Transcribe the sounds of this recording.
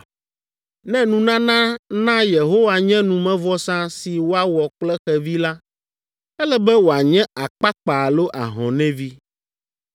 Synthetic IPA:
nɛ̃˦nũ˨nã˦nã˦nã˦je˨ɦo˦wa˨ɲɛ̃˦nũ˨mɛ̃˦vɔ˦sã˦si˨wo˦a˦wɔ˨k͡plɛ˦xɛ˨vi˦la˦ | ɛ˦lɛ˦bɛ˦wo˨a˨ɲɛ̃˦a˨k͡pa˦k͡pa˨lo˦ʔa˨ɦɔ̰̃˨nɛ̃˦vi˦

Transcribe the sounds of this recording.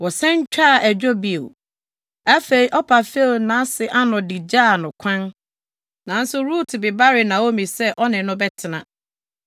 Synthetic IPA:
wɔ˨sɛ̃˦ɲ̩˦t͡ɕᶣa˦˨ʔæ˨d͡ʑᶣo˦bi˨o˨ | a˦fe˦i˦ʔɔ˦pʰa˨fe˦˨lnã˦sɪ˨ʔa˦nʊ̃˨di˨d͡ʑaː˦˨nʊ̃˨kʷʰã˦n | nã˨˦n̩˦sʊ˦ɾuː˦tʰɪ˨bɪ˨ba˦ɾɪ˨nã˨wo˦mĩ˨sɛ˦ʔɔ˦nɪ̃˨nʊ̃˦bɛ˦tʰɪ˨nã˨

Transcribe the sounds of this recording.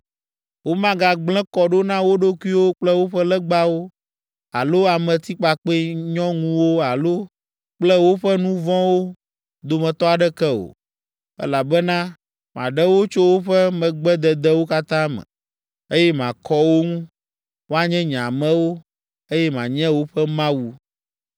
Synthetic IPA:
wo˦mã˦ɡa˨ɡ͡blɛ̃˦kɔ˨ɖo˦nã˦wo˦ɖo˦ku˦i˦wo˦k͡plɛ˦wo˦ɸɛ˦lɛ˦ɡ͡ba˦wo˦ | a̰˨lo˦a˨mɛ̃˨t̪i˦k͡pa˨k͡pɛ˦ɲɔ̃˦ŋũ˦wo˦a˨lo˦ | k͡plɛ˦wo˦ɸɛ˦nũ˦vɔ̃˦wo˦ | d̪o˨mɛ̃˨t̪ɔ˦a˨ɖɛ˦kɛ˦o̰˨ | ɛ̰˦la˨bɛ˦nã˦ | mã̰˨ɖɛ˦wo˦t͡ʃo˦wo˦ɸɛ˦mɛ̃˨ɡ͡bɛ˦d̪ɛ˨d̪ɛ˦wo˦ka˦t̪ã˦mɛ̰̃˨ | e˦jɛ˦mã˨kɔ˦wo˦ŋũ˦ | wo˦a˨ɲɛ̃˦ɲã˨mɛ̃˦wo˦ | e˦jɛ˦mã˨ɲɛ̃˦wo˦ɸɛ˦mã˦wu˨

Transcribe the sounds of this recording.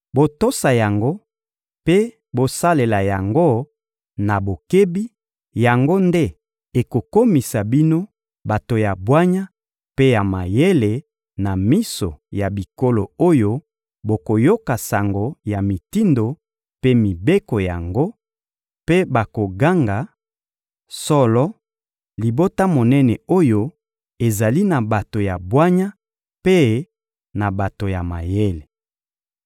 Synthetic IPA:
bo˨to˦sa˨ja˨ŋɡo˦ | pe˦ | bo˨sa˦le˨la˨ja˨ŋɡo˦ | na˨bo˨ke˦bi˦ | ja˨ŋɡo˦nde˦ | e˨ko˨ko˦mi˨sa˨bi˦no˦ | ba˨to˨ja˨bwa˦ɲa˦ | pe˦ja˨ma˨je˦le˨ | na˨mi˦so̰˨ja˨bi˨ko˦lo˨o˦jo˦ | bo˨ko˨jo˦ka˨sa˨ŋɡo˨ja˨mi˨ti˦ndo˨ | pe˦mi˨be˦ko˨ja˨ŋɡo˦ | pe˦ba˨ko˨ɡa˦ŋɡa˨ | sɔ˦lɔ˦ | li˨bo˦ta˦mo˨nɛ˦nɛ˨o˦jo˦ | e˨za˨li˦na˨ba˨to˨ja˨bwa˦ɲa˦ | pe˦ | na˨ba˨to˨ja˨ma˨je˦le˨

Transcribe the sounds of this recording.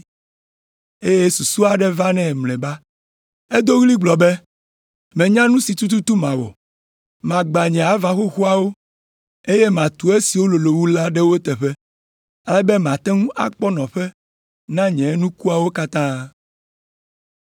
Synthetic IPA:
e˦je˦su˨su˦a˨ɖɛ˦va˦nɛ̃˦˨mlɛ̃˨ba˦ | e˦d̪o˦ɣli˦ɡ͡blɔ˨bɛ˦ | mɛ̃˨ɲã˦nũ˦si˨t̪u˦t̪u˦t̪u˦mã˨wɔ̰˨ | mã˨ɡ͡ba˨ɲɛ̃˨a˨vã˨xo˦xu˦a˦wo˦ | e˦je˦mã˨t̪u˨˦e˦si˨wo˦lo˨lo˨wu˦la˦ɖɛ˦wo˦t̪ɛ˨ɸɛ˦ | a˦lɛ˦bɛ˦mã˨t̪ɛ˦ŋũ˦ʔa̰˨k͡pɔ˦nɔ̃˨ɸɛ˦ | nã˦ɲɛ̃˨˦nũ˦ku˦a˨wo˦ka˦t̪ã˦

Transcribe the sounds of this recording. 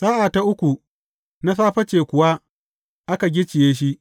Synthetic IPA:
saː˦ʔa˨ta˦ʔʊ˦kʷu˨ | na˦saː˦ɸɐ˦t͡ʃeː˨kʷʊ˨wa˦ | ʔa˦ka˨ɡʲɪ˦t͡ʃɪ˨jeː˦ʃ̬i˦ʔ

